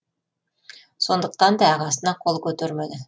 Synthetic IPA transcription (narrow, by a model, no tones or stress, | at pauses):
so̞nd̪əq̚t̪ɑnd̪ɑɑʁɑsənɑqʰo̞lˠkʲʰɵt̪eɾmed̪ɪ